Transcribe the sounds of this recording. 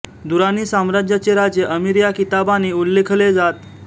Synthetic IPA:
d̪uɾaniːsãmɾad͡ʑjat͡sjeɾad͡ʑjəʔəmiɾjakit̪abaniulːekʰled͡zat̪

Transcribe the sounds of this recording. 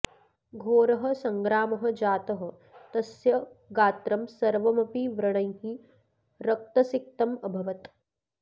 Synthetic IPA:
ɡʱoːɾɐɦɐ̆sɐŋɡɾaːmɐɦɐ̆d͡ʒaːt̪ɐɦɐ̆ | t̪ɐsjɐɡaːt̪ɾɐmsɐɾʋɐmɐpiʋɾɐɳ̃ɐjɦi | ɾɐk̚t̪ɐsik̚t̪ɐmɐbʱɐʋɐt̪

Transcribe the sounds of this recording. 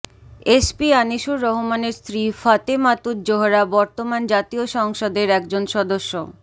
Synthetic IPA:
espianiʃuɾːɔɦomaneɾst̪ɾifat̪emat̪ut̪̚d͡ʑoɦoɾabɔɾt̪omand͡ʑat̪ioʃɔŋʃod̪eɾɛkd͡ʑonʃɔd̪oʃːo

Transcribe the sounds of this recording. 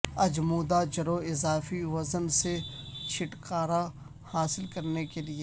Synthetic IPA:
ɐd͡ʒmuːd̪ad͡ʒɐɾoɪzaːfiʋɐzənset͡ʃʰɪʈkaːɾa | haːsɪlkɐɾnekelie

